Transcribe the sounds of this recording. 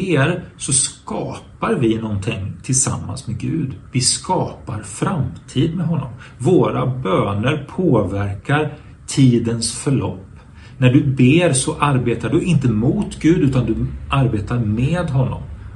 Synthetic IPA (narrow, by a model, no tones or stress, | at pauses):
eːɾsɔskɑːpaɾvɪnɔnt̪ʰɪŋt̪ʰɪlsa̰mːa̰nsmɛɡʉ̟ːd̪vɪskɑːpaɾfɾamt̪ʰiːd̪mɛɦɔnːɔ̰m | voːɾabøːnəɾpʰoːvæɾkaɾ | t̪ʰiːd̪ənsfœɭɔ̰pː | næɖɵbeːɾsɔʔaɾbeːt̪aɖɵɪnt̪əmʊt̪ɡʉ̟ːd̪ʉ̟ːt̪and̪ɵʔaɾbeːt̪aɾmeːd̪ɦɔnːɔ̰m